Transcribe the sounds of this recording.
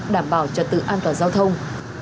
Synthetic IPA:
ɗaː˧˩mɓaː˨˩wt͡ɕə˨˩t̚t̪ɨ̰˧˨ʔaː˧nt̪waː˨˩nzaː˧wt̪ʰə˧wŋ͡m

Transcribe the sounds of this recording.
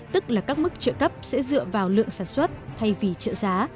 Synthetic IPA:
t̪ɨ˦˥k̚laː˨˩kaː˦˥k̚mɨ˦˥k̚t͡ɕə̰ː˧˨kə˦˥p̚sɛ̰˧˥zɨ̰˧˨əvaː˨˩wlɨ̰˧˨əŋsaː˨˩nswə˦˥t̚t̪ʰa˧jvi˨˩t͡ɕə̰ː˧˨zaː˨˦

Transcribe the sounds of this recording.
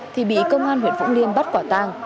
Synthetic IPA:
t̪ʰi˨˩ɓḭ˧˨kə˧wŋ͡mʔaː˧nhi˨˩ənvʊ̰˧˥ŋli˧ənɓa˦˥t̚kwaː˧˩t̪aː˧ŋ

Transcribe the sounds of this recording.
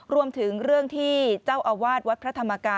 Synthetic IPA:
ɾu˧əmt̪ʰɯ˩˦ŋɾɯ˥˩əŋt̪ʰiː˥˩t͡ɕaː˥˩wʔa˧waː˥˩t̪̚wa˦˥t̪̚pʰɾa˦˥t̪ʰa˧mːa˧kaː˧

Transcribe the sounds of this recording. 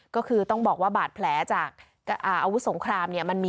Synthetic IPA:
kɔː˥˩kʰɯː˧t̪ɔ˥˩ŋbɔː˨˩k̚waː˥˩baː˨˩t̪̚pʰlɛː˩˦t͡ɕaː˨˩k̚ː | ʔaː˨˩ʔa˧wu˦˥so˩˦ŋkʰɾaː˧mni˥˩ɐma˧nmiː˧

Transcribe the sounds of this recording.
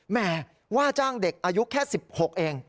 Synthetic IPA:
mɛː˧˩ | waː˥˩t͡ɕaː˥˩ŋde˨˩k̚ʔaː˧ju˦˥kʰɛː˥˩si˨˩p̚ho˨˩k̚ʔeː˧ŋ

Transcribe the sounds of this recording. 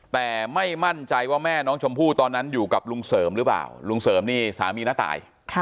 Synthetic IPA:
t̪ɛː˨˩ma˥˩jma˥˩nt͡ɕa˧jwaː˥˩mɛː˥˩nɔː˦˥ŋt͡ɕʰo˧mpʰuː˥˩t̪ɔː˧nːa˦˥njuː˨˩ka˨˩p̚lu˧ŋsɤː˩˦mɾɯ˦˥pla̰ː˨˩wlu˧ŋsɤː˩˦mniː˥˩sa̰ː˩˦miː˧na˦˥t̪a̰ː˨˩˦j | kʰ

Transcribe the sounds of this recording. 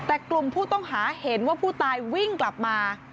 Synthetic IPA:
t̪ɛː˨˩klu˨˩mpʰuː˥˩t̪ɔ˥˩ŋɦaː˩˦he˩˦nwaː˥˩pʰuː˥˩t̪aː˧jwi˥˩ŋkla˨˩p̚maː˧

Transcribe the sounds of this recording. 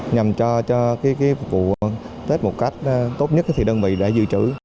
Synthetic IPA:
ɲa˨˩mt͡ɕɔ˧t͡ɕɔ˧kaː˨˦kaː˨˦jvṵ˧˨ | t̪ʰe˦˥t̚mo˨˩t̚ka˦˥jk̟̚ːt̪o˦˥t̚ɲə˦˥t̚t̪ʰi˨˩ɗəː˧nvḭ˧˨ɗa̰ː˧˥zɨ̰˧˨t͡ɕɨ˧˩

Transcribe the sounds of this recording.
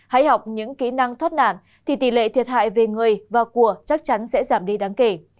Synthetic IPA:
ha̰˧˥jha˨˩wk͡p̚ɲɨ̰˧˥ŋki˧˦˥na˧ŋt̪ʰwt̚na̰ː˧˨n | t̪ʰi˨˩t̪ḭ˧˩lḛ˧˨t̪ʰi˨˩ət̚ha̰ː˧˨jve˨˩ŋɨ˨˩əjvaː˨˩ku˧˩ət͡ɕa˦˥k̚t͡ɕa˨˦nsɛ̰˧˥zaː˧˩mɗi˧ɗaː˨˦ŋke˧˩

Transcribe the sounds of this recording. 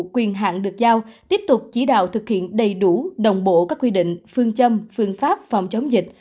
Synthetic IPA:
kwi˨˩ənɦa̰ː˧˨nɗɨ˨˩ək̚zaː˧wt̪i˦˥əp̚t̪ʊ˨˩k͡p̚t͡ɕi˨˦ɗa̰ː˧˨wt̪ʰɨ˨˩k̚hḭ˧˨ənɗə˨˩jɗu˧˩ɗə˨˩wŋ͡mɓo̰˧˨kaː˦˥kːwi˧ɗḭ̈˧˨ŋ̟fɨ˧əŋt͡ɕə˧mfɨ˧ənfaː˦˥p̚fa˨˩wŋ͡mt͡ɕə˨˦wŋ͡mzï˨˩k̟̚

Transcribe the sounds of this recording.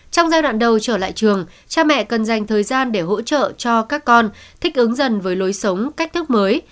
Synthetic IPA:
t͡ɕɔ˧wŋ͡mzaː˧jɗwa̰ː˧˨nɗə˨˩wt͡ɕəː˧˩la̰ː˧˨jt͡ɕɨ˨˩əŋ | t͡ɕaː˧mɛ̰˧˨kə˨˩nza˨˩jŋt̪ʰəː˨˩jzaː˧nɗe˧˩ɦo̰˧˥t͡ɕə̰ː˧˨t͡ɕɔ˧kaː˦˥kːɔ˧nt̪ʰï˦˥k̟̚ʔɨ˨˦ŋzə˨˩nvəː˨˦jlo˨˦jsə˨˦wŋ͡mka˦˥k̟̚t̪ʰɨ˦˥k̚məː˨˦j

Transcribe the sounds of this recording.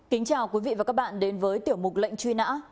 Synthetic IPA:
kï˨˦ŋ̟t͡ɕaː˨˩wkwi˨˦vḭ˧˨vaː˨˩kaː˦˥k̚ɓa̰ː˧˨nɗe˨˦nvəː˨˦jt̪i˧˩əwmʊ˨˩lə̰˧˨jŋ̟t͡ɕwi˧na̰ː˧˥

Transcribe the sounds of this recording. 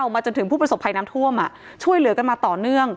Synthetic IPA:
wmaː˧t͡ɕo˧nt̪ʰɯ˩˦ŋpʰuː˥˩pɾso˨˩pʰːa˧jnaː˦˥mt̪ʰu˥˩əmʔa˨˩ʔ | t͡ɕʰu˥˩əjlɯ˩˦ka˧nmaː˧t̪ɔː˨˩nɯ˥˩əŋ

